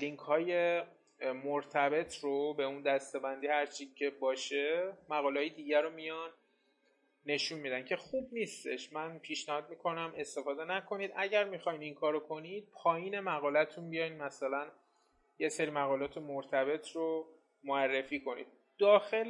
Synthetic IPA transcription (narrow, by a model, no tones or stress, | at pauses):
liŋkʰhɒːje̞ | moɾt̪ʰæbe̞t̪ʰrobe̞und̪æst̪e̞bænd̪iːhæɾt͡ʃʰicʰebɒːʃe̞mæɣɒːleɦɒːjed̪iːɟæɾomijɒn | e̞ʃunmid̪æncʰe̞xub̚niːst̪e̞̰ʃmænpʰiʃnæhɒːd̪̚miːkʰo̞næmʔe̞st̪e̞fɒːd̪e̞nækʰo̞niːd̪ʔæɟæɾmixɒjniŋkʰɒːɾokʰo̞niːd̪̥̚pʰɒːjiːne̞mæɣɒːlæt̪ʰunbijɒjnmæsælæn | je̞seɾiːmæɣɒːlɒːt̪ʰe̞moɾt̪ʰæbe̞t̪ʰro | moærːe̞fiːkʰo̞nḭd̪̚ | d̪̥ɒːxe̞l